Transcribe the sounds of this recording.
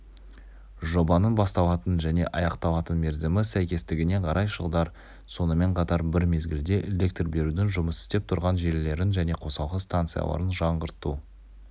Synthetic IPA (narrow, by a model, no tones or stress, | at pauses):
ʒo̞bɑnənbɑst̪ɑlˠɑt̪ənʒæne̞̰ʔɑjɑqt̪ɑwˠɑt̪ənme̞ɾzemɪsæjkʲe̞st̪ɪɡʲɪne̞qʰɑɾʔɑjʃəlˠd̪ɑɾ | so̞nəme̞ɴqʰɑt̪ɑɾbɪɾme̞zɡʲɪld̪e̞ʔele̞k̚t̪rbe̞ɾud̪ɪŋʒʊməsɪ̥st̪e̞p̚t̪ʰʊɾʁɑnʒe̞lle̞ɾɪnʒæne̞qʰo̞sɑlˠqəst̪ant̪sɨjɑ̰lˠɑ̰ɾənʒɑɴʁəɾt̪ːṵ